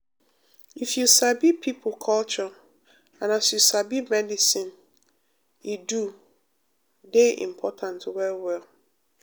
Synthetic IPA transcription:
ifjusabipʰipʰʊkʰɔlt͡ʃɔ | ãnasjusabimɛdisĩn | idu | deḭ̃m̩pʰɔtʰãntwɛwɛl

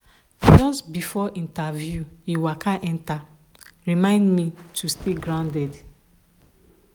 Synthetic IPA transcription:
d͡ʒɔsbifɔʔĩntavjuiwakʰaʔɛ̃nta | ɹimãɪ̃ndmitʰusteɡɹãndɛd

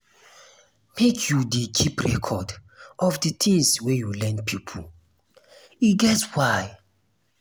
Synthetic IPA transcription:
mekʰjudikʰipɹɛ̰kʰɔdɔfditʰĩŋswejulɛ̃npʰipʰṵ | iɡɛswaj

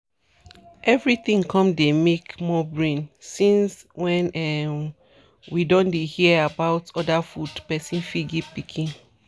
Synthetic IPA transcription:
ʔɛvɹit̪ĩŋkʰɔ̃mdemekmɔbɹĩnsĩnswɛ̃nɛm | widɔ̃ndehiəabaʊtɔdafudpɛsĩnfiɡipikʰĩn

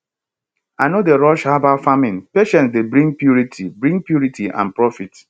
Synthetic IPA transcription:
anodeɾɔʃhabafamɪ̃npeʃɛ̃ntsdebɾĩŋ̚pjuɾitʰibɾĩŋpjuɾitʰiʔã̰npɹɔfit

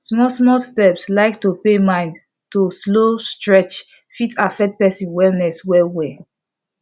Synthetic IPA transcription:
smɔsmɔstɛpslaɪktupemãɪ̃nd | tuslostɹɛt͡ʃ | fitʰafɛkt̚pɛsĩnwɛlnɛswɛlwɛ

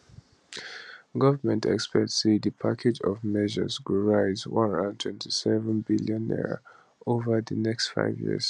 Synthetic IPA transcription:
ɡʌvəmɛ̃ntʰɛ̰kspɛtsedəpʰakʰed͡ʒɔvmɛʒə̰zwuɹaɪzwʌ̃nãntʰwɛ̃ntʰisɛvə̃nbiljə̃nːɛ̰ɹ̰ | ovəðənɛkstfa̰ɪvjḭz̥

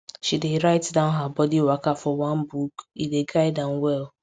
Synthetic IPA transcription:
ʃideɾaɪtdãʊ̃nɦabɔdiwakafɔwãnbukideɡaɪdãnwɛl

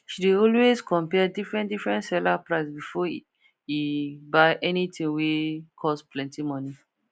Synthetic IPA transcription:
ʃideɔlwezkʰɔ̃mpɛdifɹɛ̃ndifɹɛ̃ntsɛlapɹaɪsbifɔ | ibaɪʔɛnitĩŋwekʰɔsplɛ̃ntimɔ̃ni

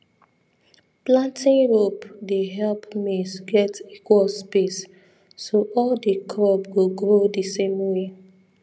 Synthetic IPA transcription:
plãntĩŋɹopdeɦɛlpmesɡɛtikwɔlspesː | oʔɔldəkʰɹɔbweɡɹodəsẽmwe

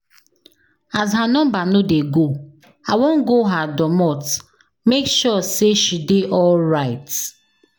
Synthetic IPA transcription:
azɦanɔ̃mbanodeɡo | awõn̩ɡoɦadɔmɔt | mekʃɔseʃideʔɔlɹaɪt

